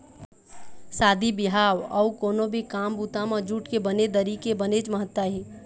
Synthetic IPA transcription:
saːd̪ʱibɪɦaːwɔukoːnobʱikaːmbuːt̪amãd͡ʒuːʈkebəned̪əɾikebəned͡ʒməɦət̪ːwəɦiː

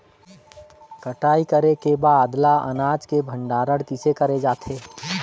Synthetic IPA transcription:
kəʈaːikəɾekebaːd̪laɐ̰naːd͡ʒkebʱə̃ɳɖaːɾəɽkɪsekəɾed͡ʒaːt̪ʰeː

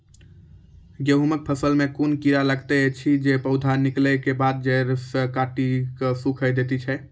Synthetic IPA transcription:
ɡjəɦumək̚pʰəsəlmẽkunkiɾaləɡt̪et͡ʃʰid͡ʒepəʊd̪ʱaniklɛkebad̪̚d͡ʒeɾsəkaʈikəsukʰəjd̪et̪it͡ʃʰɛ

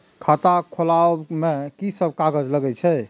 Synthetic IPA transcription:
kʰat̪akʰolamekisəb̚ʱkaɡəd͡ʒləɡɛt͡ʃʰɛ

